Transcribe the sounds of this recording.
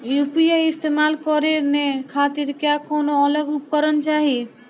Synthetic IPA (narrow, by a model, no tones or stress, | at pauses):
jupiejist̪emalkɔɾeɾnekʰat̪iɾkeakonoɔləɡupkɔɾɔnt͡ʃaɦi